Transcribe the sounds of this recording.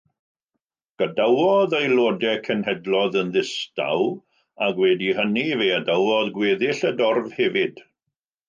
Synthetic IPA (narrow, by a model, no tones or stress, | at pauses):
ɡ̥ədawɔðejlˠoːdɛkʰɛnhɛdlɔðənðɪsta̰w | aɡwɛdihəniveadawɔðɡweːðɪɬədɔrvhɛvɪd̥